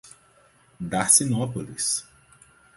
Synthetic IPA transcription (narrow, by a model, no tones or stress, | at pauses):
ɖasinɔpolḭs